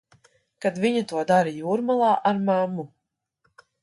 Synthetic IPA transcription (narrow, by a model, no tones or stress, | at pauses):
kad̪viɲat̪uɔd̪aɾijuːɾmalˠɑːʔaɾmamːu